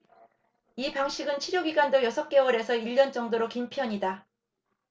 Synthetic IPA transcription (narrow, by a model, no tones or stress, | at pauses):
ipaŋɕʰiɡɯnt͡ɕʰiɾjʌɡiɡandojʌsʰʌk͈̚e̞wʌɾe̞sʰʌiʎːʌnt͡ɕ͈ʌŋdoɾokimpʰjʌɲida